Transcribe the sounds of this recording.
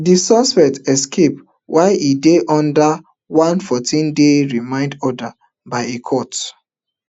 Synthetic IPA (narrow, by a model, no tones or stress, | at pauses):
disɔspɛtɛskʰep̚ | wʔaɪʔideʔɔ̃nda | wãnfɔtʰĩndeɹimãɪ̃ndɔda | baɪekʰɔt